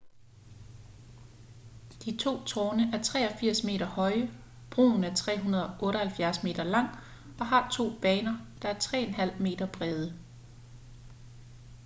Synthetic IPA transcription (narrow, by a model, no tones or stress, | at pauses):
d̥it͡sʰo̝̰ːt͡sʰɒːnəʔæɐt͡sʰʁɛ̰ːɒ̽fiɐ̰sme̝̰ːɾɐhɒ̽ɪ | b̥ʁo̝̰ːn̩æɐt͡sʰʁɛ̰ːɦunɐð̞ˠɒʔɔ̽ːɾəhælfjæɐsme̝̰ːd̥ɐlɑ̈ŋ̰ | ɒ̽ɦɑ̈t͡sʰo̝̰ːb̥ɛːnɐd̥ɑ̈æɐt͡sʰʁɛ̰ːenɦæl̰me̝̰ːd̥ɐb̥ʁɛːð̞ˠə